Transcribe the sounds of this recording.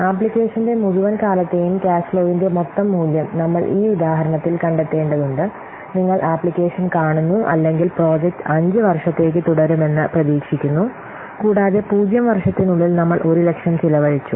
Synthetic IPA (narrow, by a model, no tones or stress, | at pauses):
aːpɭikʲːe̞ːʂɐnde̞muɻuʋɐnkaːlɐt̪ːe̞jumkaːsloːʋinde̞mot̪ːɐmːuːljɐmnɐmːɐɭʔiːuðaːɦɐɾɐɳɐt̪ːilkɐɳɖet̪ːe̞ːɳɖɐðuɳɖɨ | niŋːɐɭʔaːpːɭikʲːe̞ːʂɐnkaːɳunːuʔɐ̰lːe̞ŋɡilpro̞ːd͡ʑek̚tɨɐɲd͡ʑɨʋɐrʂɐt̪ːe̞ːk̬ʲːɨt̪uɽɐɾume̞nːɨprɐðiːkʂikʲːunːu | kuːɽaːðe̞puːd͡ʑjɐmʋɐrʂɐt̪ːinuɭːilnɐmːɐɭʔo̞ɾule̞kʂɐmt͡ɕilɐʋɐɻit͡ɕːu